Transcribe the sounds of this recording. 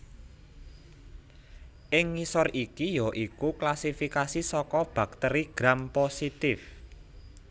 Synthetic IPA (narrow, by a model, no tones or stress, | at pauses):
ʔɪŋːisɔrikijoʔikuklasifikasisɔkɔb̥a̤k̚t̪ɛɾiɡ̥ɾamposit̪ɪf